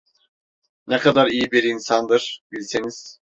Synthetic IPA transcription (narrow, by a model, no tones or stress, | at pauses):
nɛkʰad̪aɾijibiɾinsand̪ɯɾ̥bilʲseniz̥